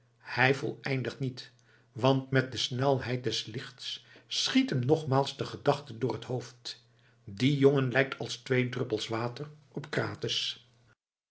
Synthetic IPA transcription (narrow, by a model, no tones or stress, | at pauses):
hɛjvɔ̰lˠɛjndəχtnit | ʋɑntmɛt̚dəsnɛlˠɦɛjt̚dɛslɪχtssχitɦəmnɔχmaːlˠzdəχədɑχtəndʊːrɦəthowft | dijoŋənlɛjk̚tʰɑlˠstʋejdrɵpəlˠsʋaːtər | ɔpkraːtɪs